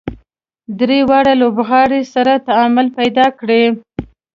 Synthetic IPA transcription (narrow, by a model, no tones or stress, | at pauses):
d̪ɾewaɽalobɣɑɽesaɾat̪aɑmʊlpajd̪ɑkɽe